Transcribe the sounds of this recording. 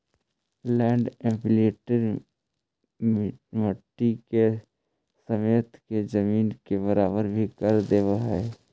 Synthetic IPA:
lɛ̃ːɳɖẽmpɪleːʈəɾ | mməʈːike | səmeːt̪kezəmiːnkebəɾaːbəɾbʱikəɾd̪eːʋaɦɛ

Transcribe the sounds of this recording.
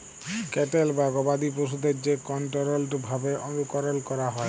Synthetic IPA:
kɛʈelbaɡɔbad̪ip̬ɾoʃ̬ud̪eɾd͡ʑekɔɳʈoɾolʈbʱabeʔonukɔɾolkɔɾaɦɔe

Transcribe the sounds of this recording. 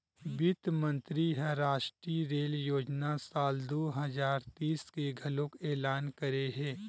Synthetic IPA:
bɪt̪mə̃nt̪ɾiɦɛ̃ɾaːʃʈɾiɾeːljoːd͡ʒnasaːld̪oːɦɐzaːɾt̪iːskeɡʱɐlõkeːlaːnkəɾeɦɛ̃ː

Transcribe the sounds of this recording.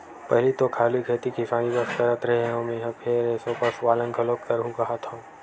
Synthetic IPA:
pɐɦlit̪okʰaːlikʰeːt̪ikɪsaːnibɐst̪əɾət̪ɾɐɦeɦõmẽɦãpʰeɾeːsõpɐɾswaːlə̃ŋkʰəloːkt̪əɾɦũkɐɦat̪ɦõ

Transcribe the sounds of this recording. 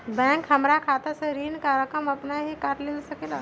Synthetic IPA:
bɛ̃ːŋkɦɐmɾakʰaːt̪eseɾiːnkaɾəkəmɐpnaɦikaːʈleːlsəkeːla

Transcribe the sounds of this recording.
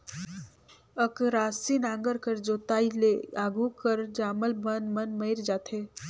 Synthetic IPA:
əkɾaːsinãːŋɡəɾkəɾd͡ʒoːt̪aːileaːɡukəɾd͡ʒaːməlmənmənməɪɾd͡ʒaːt̪ʰeː

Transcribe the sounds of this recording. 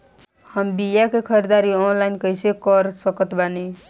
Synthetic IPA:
həmbijakekʰəɾed̪aɾiɔnlainkəjsʰekəɾsəkət̪bani

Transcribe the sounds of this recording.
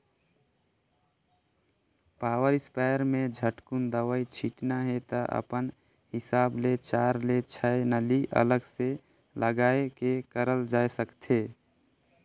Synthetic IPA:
paːwəɾɪspaːjəɾmẽd͡ʒʱəʈkund̪əwəit͡ʃʰiʈnaɦet̪əʔə̰pən | hɪsaːblet͡ʃaːɾlet͡ʃʰəenəliʔə̰ləɡse | ləɡaːekekəɾəld͡ʒaːesəkt̪ʰeː

